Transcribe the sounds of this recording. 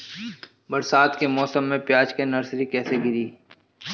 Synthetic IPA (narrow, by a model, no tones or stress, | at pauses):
bɐɾsaːt̪kemɔːsəmːẽpjaːd͡ʒkenɐɾsɾikɛːseɡɪɾiː